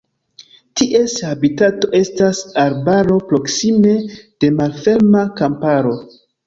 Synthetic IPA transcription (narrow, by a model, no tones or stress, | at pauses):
tiʔe̞shabitato̞ʔe̞stasaɾbaɾo̞pɾo̞ksime̞d̥e̞malfe̞ɾmakampaɾo̞